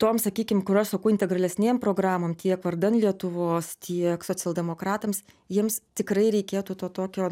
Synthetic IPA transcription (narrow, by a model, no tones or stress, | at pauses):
t̪oːmsɐkʲiːkʲɪmkʊɾɐʃsɐkɐʊɪnʲt̪ʲɛɡrɐlʲɛsʲnʲeːmpɾoːɡɾɑːmoːmt̪ʲiɛkʋɐrd̪ɐnlʲiɛt̪ʊʋoːst̪ʲiɛksoːt͡sʲɛlˠd̪ʲɛmoːkɾɑːt̪ɐms | jiɛmst̪ʲɪkɾɐɪɾʲɛɪkʲeːt̪uːt̪oːt̪oːkʲoː